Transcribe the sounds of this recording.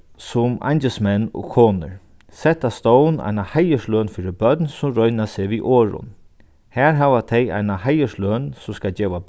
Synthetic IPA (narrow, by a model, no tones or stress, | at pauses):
sʊma̰jnt͡ʃəsmɛnːɔ̰kʰoːnə̰ɹ | sɛt̪ast̪ɔwna̰jnahajəʂløːnfiːɾɪbœt̪nsʊmɾɔjnaseːʋiʔɔːɹʊ̰n | hæːɹɦaːʋat̪ʰɛja̰jnahajəʂløːnsʊmskad͡ʒɛːʋa